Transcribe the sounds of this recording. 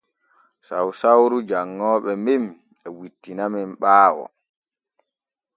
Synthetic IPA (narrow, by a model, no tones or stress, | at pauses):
sawsawɾud͡ʒaŋːɔːɓɛmem | ɛwitːinamɛmɓaːwɔ̰